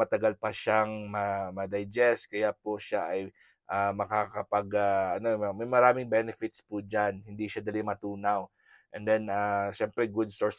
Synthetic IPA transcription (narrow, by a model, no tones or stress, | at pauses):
ɐt̪ɐɡalpɐʃaŋmɐmɐd̪ɐjd͡ʒɛst̪̚kɐjapoʃaʔɐj | ʔamɐkakɐpɐɡaʔɐnoɐmɐjmɐɾaːmɪŋbɛnɛfɪt̪spud͡ʒanhɪnd̪iʃad̪ɐlimɐt̪uːnaw | ʔɛnd̪ɛnaʃɛmpɾɛɡʊd̪̚soɹs